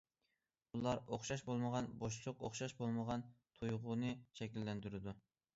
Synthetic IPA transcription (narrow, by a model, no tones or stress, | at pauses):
ulˠɑɾoχʃɑʃbolˠməʁɑnboʃlˠʊqoχʃɑʃbolˠməʁɑnt̪ʰujʁʊnɨʃɛkʲilːɛnt̪yɾɪd̪u